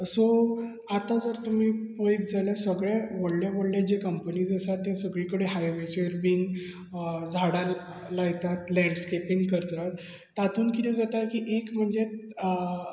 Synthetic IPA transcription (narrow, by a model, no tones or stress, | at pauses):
so | at̪ad͡zəɾt̪um̤iːpəjk̚d͡zalasəɡɭeʋoɽlaʋoɽlad͡ʑekəmpəniːd͡zəsat̪ːẽsəɡɭikəɽeɦajʋet͡ɕeɾbiːŋɡ | d͡zʱaɽa | laɡt̪at̪lɛ̃ɳɖskepiŋɡkəɾt̪at̪ː | at̪ʰuːnkit̪ʰẽd͡zat̪aɾkiːʔekm̤əɳd͡ze